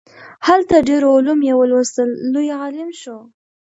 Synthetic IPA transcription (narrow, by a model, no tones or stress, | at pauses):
halt̪aɖeɾoʊlumjewəlwəst̪əlːujɑlɪmʃo